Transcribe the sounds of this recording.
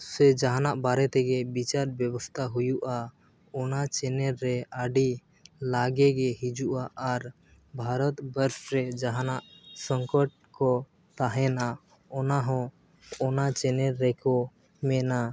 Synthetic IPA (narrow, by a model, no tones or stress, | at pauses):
sɛd͡ʒaɦanaʔbaɾɛt̪ɛɡɛbit͡ʃaɾbjɛbɔst̪ʰaɦujuʔa | ɔnat͡ʃɛnɛɾːɛaɖi | laɡɛɡɛɦid͡ʒuʔaʔːɾ | bʱaɾɔt̪bəɾsɾɛd͡ʒaɦanaʔsəŋkɔʈ̚kɔ | t̪aɦɛna | ɔnaɦɔ̃ | ɔnat͡ʃɛnɛɾːɛkɔ | mɛna